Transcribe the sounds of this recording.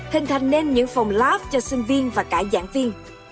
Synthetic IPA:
t̪hï˨˩ŋ̟t̪ʰa˨˩jŋ̟ne˧nɲɨ̰˧˥ŋfa˨˩wŋ͡mlaː˦˥p̚t͡ɕɔ˧sï˧ŋ̟vi˧ənvaː˨˩kaː˧˥za̰ː˧˥nvi˧ən

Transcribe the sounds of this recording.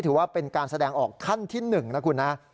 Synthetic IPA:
t̪ʰɯː˩˦waː˥˩pe˧nkaː˧nsa˧dɛː˧ŋʔɔː˨˩kʰːa˥˩nt̪ʰiː˥˩nɯ˨˩ŋna˦˥kʰu˧nːa˦˥

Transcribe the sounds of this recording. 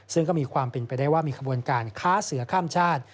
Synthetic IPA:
sɯ˥˩ŋkɔː˥˩miː˧kʰwaː˧mpe˧npa˧jdaː˥˩jwaː˥˩miː˧kʰa˧bu˧ənkaː˧nkʰaː˦˥sɯ˨˩˦ɐkʰaː˥˩mt͡ɕʰaː˥˩t̪̚

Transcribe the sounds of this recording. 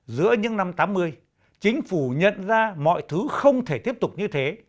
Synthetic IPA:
zɨ̰˧˥əɲɨ̰˧˥ŋna˧mt̪aː˨˦mːɨ˧əj | t͡ɕï˨˦ŋ̟fu˧˩ɲə̰˧˨nzaː˧mɔ̰˧˨jt̪ʰɨ˨˦xə˧wŋ͡mt̪ʰe˧˩t̪i˦˥əp̚t̪ʊ˨˩k͡p̚ɲɨ˧t̪ʰe˨˦

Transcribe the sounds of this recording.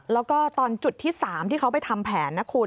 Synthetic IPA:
lɛː˦˥wkɔː˥˩t̪ɔː˧nt͡ɕu˨˩t̪ʰːiː˥˩saː˩˦mt̪ʰiː˥˩kʰa˦˥wpa˧˨jt̪ʰa˧mpʰɛː˩˦nːa˦˥kʰuː˧

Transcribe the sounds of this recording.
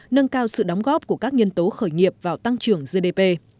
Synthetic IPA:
nə˧nkaː˧wsɨ̰˧˨ɗɔ˨˦wŋ͡mɣɔ˦˥p̚ku˧˩əkaː˦˥k̚ɲə˧nt̪o˨˦xəː˧˩jŋi˨˩əp̚vaː˨˩wt̪a˧ŋt͡ɕɨ˨˩əŋzə˧ɗe˧pe˧

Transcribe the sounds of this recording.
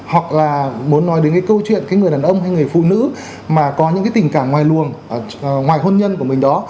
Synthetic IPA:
hwa˨˩k̚laː˨˩mu˨˦ənːɔ˨˦jɗe˨˦nkaː˨˦kə˧wt͡ɕwḭ˧˨ənkaː˨˦jŋɨ˨˩jɗaː˨˩nʔə˧wŋ͡mɦa˧jŋɨ˨˩əjfṵ˧˨nɨ̰˧˥ | maː˨˩kɔ˨˦ɲɨ̰˧˥ŋkaː˨˦jt̪ï˨˩ŋ̟kaː˧˩mŋwaː˨˩jlu˨˩ən˨˩˨ | ŋwaː˨˩jɦə˧nɲə˧nku˧˩əmï˨˩ŋ̟ɗɔ˨˦

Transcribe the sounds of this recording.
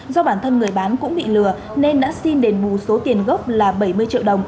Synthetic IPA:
zɔ˧ɓaː˧˩nt̪ʰə˧nŋɨ˨˩əjɓaː˨˦nkʊ̰˧˥ŋ͡mɓḭ˧˨lɨ˨˩ə | ne˧nɗa̰ː˧˥si˧nɗe˨˦nɓu˧˩so˨˦t̪i˨˩ənɣə˦˥p̚laː˨˩ɓə˧˩jmɨ˧əjt͡ɕḭ˧˨əwɗə˨˩wŋ͡m

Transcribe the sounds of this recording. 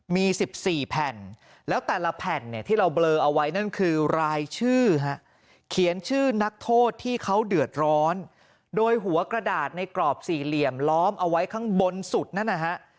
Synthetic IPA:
miː˧si˨˩p̚siː˨˩pʰɛ˨˩n | lɛː˦˥wt̪ɛː˨˩la˧pʰɛ˨˩nːi˧˩t̪ʰiː˥˩ɾa˧wblɤː˧ʔa˧wa˦˥jna˥˩nkʰɯː˧ɾaː˧jt͡ɕʰɯː˥˩ɦa˦˥ʔ | kʰi˨˩˦ənt͡ɕʰɯː˥˩na˦˥k̚t̪ʰoː˥˩t̪ʰːiː˥˩kʰa˦˥wdɯ˨˩ət̪̚ɾɔː˦˥n | doː˧jɦu˩˦ɐkɾa˧daː˨˩t̪̚na˧jklɔː˨˩p̚siː˨˩li˨˩əmlɔː˦˥mʔa˧wa˦˥jkʰa˦˥ŋbo˧nsu˨˩t̪̚na˥˩nːa˧˩kʰa˦˥ʔ

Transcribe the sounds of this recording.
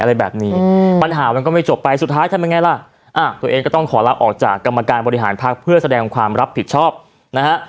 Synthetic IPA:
ʔa˧ɾa˧jbɛ̰ː˨˩p̚niː˦˥pa˧nɦaː˩˦ma˧nk̬ɔ˥˩ma˥˩jt͡ɕo˨˩pːa˧jsu˨˩t̪ʰːaː˦˥jt̪ʰa˧mea˧ŋa˧jla˧˩ | ʔaː˧˩t̪u˧ʔeː˧ŋkɔː˥˩t̪ɔ˥˩ŋkʰɔː˩˦la˦˥wʔɔː˨˩k̚t͡ɕa̰ː˨˩kːa˧mːa˧kaː˧nbɔː˧ɾi˧ɦa̰ː˩˦npʰaː˥˩k̚pʰɯ˥˩əsa˧dɛː˧ŋkʰwaː˧mɾa˦˥pʰːi˨˩t̪̚t͡ɕʰɔː˥˩p̚ | na˦kʰa˦˥ʔ

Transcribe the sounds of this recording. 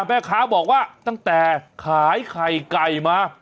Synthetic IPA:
mpɛː˧˩kʰaː˦˥bɔː˨˩k̚waː˥˩t̪a˥˩ŋt̪ɛː˨˩kʰaː˩˦jkʰa˨˩jka˨˩jmaː˧

